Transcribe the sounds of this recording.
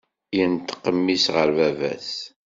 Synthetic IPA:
jənt̪ə̥qːəmːisʁəɾvævæ̰s

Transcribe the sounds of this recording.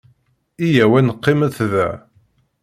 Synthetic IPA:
ijæwænəqːɪmæθðæ

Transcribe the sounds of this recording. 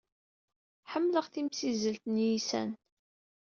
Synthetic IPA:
ħəmːləʁθimsizəlt̪njisæ̰n

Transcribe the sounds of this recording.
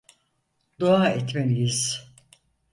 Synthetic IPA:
d̪oaːɛt̪menijiz̥

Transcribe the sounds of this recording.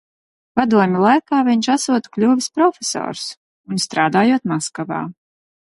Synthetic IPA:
pad̪uɔmʲilˠajkaːvʲiɲʃasuɔt̪u̥klʲuːvispɾɔfʲesɔ̰ːɾs | unst̪ɾaːd̪aːjuɔt̪maskava̰ː

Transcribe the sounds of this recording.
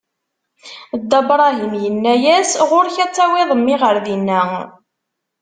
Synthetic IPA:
d̪ːɑbɾˤɑɦimjənːæjæsʁʊɾçæt͡sːæwiðˤəmːɪʁəɾðinːæ

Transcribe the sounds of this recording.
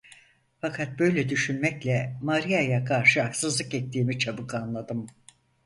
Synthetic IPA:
fakʰat̪̚bø̞jlʲɛd̪yʃynmɛclʲɛmaɾijajakʰaɾʃɯaksɯzlˠɯkɛt̪ːiːmit͡ʃʰabɯkʰanlˠad̪ɯm

